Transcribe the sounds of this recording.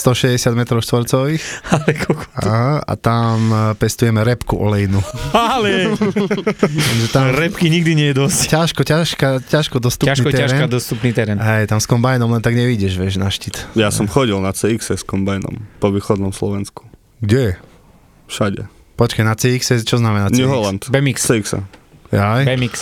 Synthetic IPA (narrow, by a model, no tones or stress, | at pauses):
st̪ɔʃɛzɟɛsɪad̪mɛt̪ɾɔʊʃt̪ʋɔɾt͡sɔʋixalɛkʰɔkɔ̥aɦaa̰t̪ampɛst̪ujɛmɛɾɛpkuʔɔ̰lɛjinualɛ | ɛmʒɛt̪aɾɛpkiɲiɡd̪iɲɪɛjɛd̪ɔsccaʃkɔcaʃkacaʃkɔd̪ɔst̪uaʃnik̪ɛaɾɛnad̪ɔst̪upniːt̪ɛɾɛnɦɛjt̪amskɔmbajnɔmlɛnt̪aɡɲɛʋiɟɛʒʋɛʒnaʃcit̪jasɔmxɔɟilnat͡sɛiksɛskɔmbajnɔ̰mpɔʋiːxɔd̪nɔmslɔʋɛnsku̥ | ɡɟɛjɛ | fʃaɟɛ̰ | pɔt͡ʃkanat͡sɛiksɛst͡ʃɔznamɛnaɲuɦlant̪bɛmikst͡sɛiksa̰ɛjbɛmiks